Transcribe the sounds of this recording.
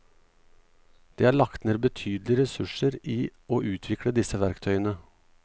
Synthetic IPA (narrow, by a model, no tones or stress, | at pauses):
d̪̥eːæːɾɭɑkt̪neːɾbət̪ʰyːd̪lɪəɾɛsʉʂəɾiːoːʔʉːt̪ʰʋɪkɽəd̪ɪsəʋæɾkt̪ʰœʏənə